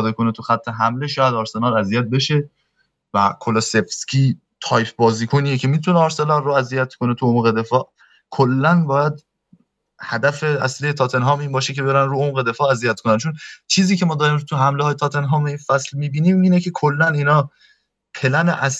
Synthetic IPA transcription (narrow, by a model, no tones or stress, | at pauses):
d̪ekʰo̞net̪ʰuxæt̪ʰːe̞ɦæmle̞ʃɒːjæd̪ɒːɾse̞nɒːɾæzijæt̪̚be̞ʃe̞ | væ̰kʰolosefscʲʰiː | t̪ʰɒːjpʰbɒːziːkʰonijecʰe̞mit̪ʰuneɒːɾse̞nɒːɾːoæzijæt̪kʰo̞ne̞t̪ʰuomɣed̪e̞fɒːʔ | kʰolːænbɒːjæd̪̚ | hæd̪æfe̞æ̰slijet̪ʰɒːt̪ʰenɦɒːmiːbɒːʃecʰe̞beɾænɾuːomɣed̪e̞fɒːæzijæt̪̚kʰonænt͡ʃʰont͡ʃʰiːziːcʰe̞mɒːd̪ɒːɾiːmt̪ʰuɦæmleɒːjet̪ʰɒːt̪ʰe̞nɦɒːmeiːnfæslmiːbiːniːmiːnecʰe̞kʰolːæniːnɒː | pʰe̞læneʔæs